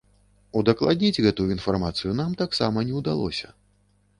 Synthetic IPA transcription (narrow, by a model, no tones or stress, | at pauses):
ud̪ɐklˠad̪̚ʲnʲid͡zʲɣɛt̪ujuinfarmat̪sɨjunamt̪aksa̰mɐnʲɛwd̪alˠɔ̰sʲɐ̰